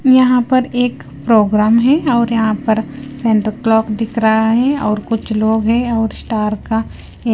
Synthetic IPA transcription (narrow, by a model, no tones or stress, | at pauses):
jɐɦãpɐɾeːk | pɾoːɡɾaːmɦɛɔːɾjɐɦãpɐɾsɛ̃ɳʈəɾklɔːkd̪ɪkʰɾaɦaɦɛ̃ɔːɾkʊt͡ʃʰloːɡɦɛ̃ɔːɾsʈaːɾka | e